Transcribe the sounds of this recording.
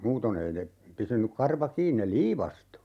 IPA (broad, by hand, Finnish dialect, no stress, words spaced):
muːton ei ne pysynyk kɑrʋɑ kiːn ne liːʋɑstu